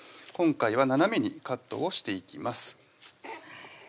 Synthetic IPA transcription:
kõ̞ŋkaiβananamʲeɲ̟ikat̪ːo̞̰ːɕi̥t̪e̞ikʲimasɨ̥

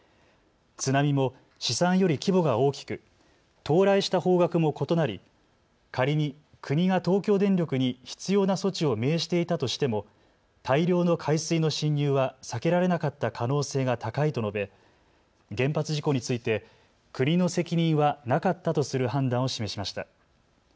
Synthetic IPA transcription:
t͡sɨnamʲimo̞ | ɕisãɰ̃jo̞ɾʲikʲibo̞ɡao̞ːkʲi̥kɯ̟ | t̪o̞ːɾaiɕi̥t̪aho̞ːɡakɯ̟mo̞ko̞t̪o̞naɾʲḭ | kaɾʲiɲ̟i | kʰɯ̟ɲ̟iɡat̪o̞ːkʲo̞ːd̪ẽ̞nɾʲo̞kɯ̟ɲ̟içi̥t͡sɨjo̞ːnaso̞t͡ɕio̞me̞ːɕi̥t̪e̞it̪at̪o̞ɕi̥t̪e̞mo̞ | t̪ʰaiɾʲo̞ːno̞kʰaisɨino̞ɕĩɲjɯːβasake̞ɾaɾe̞nakat̪ːakʰano̞ːse̞ːɡat̪akait̪o̞no̞be̞ | ɡẽ̞mpat͡sɨʑiko̞ɲ̟it͡sɨit̪e̞ | kɯ̟ɲ̟ino̞se̞kʲiɲ̟ĩɰ̃βanakat̪ːat̪o̞sɨɾɯ̟ɦãnd̪ãɰ̃o̞ɕime̞ɕimaɕi̥t̪a̰

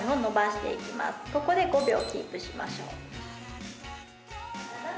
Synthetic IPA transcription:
ĩo̞no̞baɕi̥t̪e̞̰ikʲima̰sɨ̥ko̞ko̞d̪e̞ɡo̞bʲjo̞ːkʲḭːpɯ̟ɕima̰ɕo̞̰ː

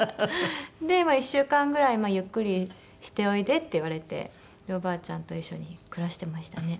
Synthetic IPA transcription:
d̪e̞maiɕːɨːkãŋɡɯ̟ɾaimaːjɯ̟kːɯ̟ɾʲi | ɕi̥t̪e̞o̞id̪e̞t̪ːe̞iβaɾe̞t̪e̞̰ | d̪eobaːt͡ɕãnt̪o̞iɕːo̞̰ɲ̟ikɯ̟ɾaɕi̥t̪e̞maɕi̥t̪ane̞

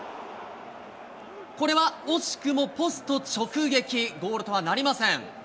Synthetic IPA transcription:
ko̞ɾe̞βaoɕi̥kɯ̟mo̞po̞sɨ̥t̪o̞t͡ɕo̞kɯ̟ɡe̞kʲiɡo̞ːɾɯt̪oβanaɾʲimasẽ̞ŋ

